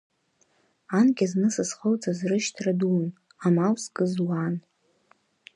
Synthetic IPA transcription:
anɡʲaznɨsɨsχowt͡sʼazrɨʃtʰradun | amawsɡʼɨzwan

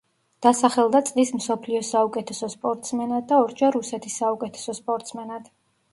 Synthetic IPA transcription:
d̪̥asaχɛlˠd̪at̪sʼlismsɔpʰliɔsaukʼɛt̪ʰɛsɔspʼɔɾt̪ʼsmɛnad̪̚d̪ːaɔɾd͡ʒaɾusɛt̪ʰisːaukʼɛt̪ʰɛ̥sɔspʼɔɾt̪ʼsmɛnad̪̥

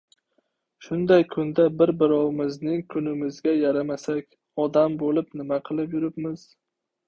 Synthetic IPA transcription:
ʃʊnd̪ajkʰʊnd̪abɪɾbɪɾɒwɪmɪznɪŋkʰʊnɪmɪzɡʲajaɾamasakʲ | ɒd̪ambolɪpnɪmaqʰɨlˠɪpjʊɾɪpmɪz̥

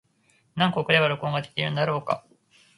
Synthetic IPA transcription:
nãŋkokɯ̟d̪e̞βaɾo̞kõ̞ːŋɡad̪et̪ʲiɾɯ̟nd̪aɾo̞ːka̰

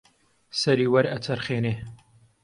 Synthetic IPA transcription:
sɐɾiːwɐɾɐt͡sʰɐɾχeːneː

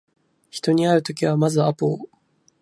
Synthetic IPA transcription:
çi̥t̪o̞ɲ̟iaɾɯ̟t̪o̞kʲiβ̞amazɨapoː

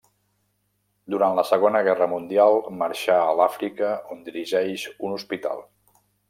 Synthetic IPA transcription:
d̪uɾant̪ləsəɣ̞onəɣ̞ɛrəmund̪ialˠməɾʃaəlafɾikəond̪iɾiʒɛjʃunuspit̪a̰lˠ

